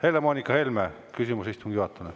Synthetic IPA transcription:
helːemonʲikːɑhelmæ | kysymusist̪uŋɡ̥iɑt̪ːune

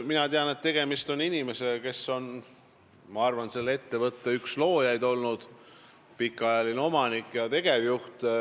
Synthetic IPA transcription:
minɑt̪eɑne̞t̪ːe̞ɡ̥e̞mist̪o̞ninʲime̞se̞ke̞sːo̞n | mɑɑrvɑnse̞lːe̞t̪ːe̞vɤt̪ːˑeykslo̞ːjɑjd̪o̞lnud̪̥ | pikːˑɑjɑlineo̞mɑnikːˑjɑt̪e̞ɡ̥e̞vjuht̪

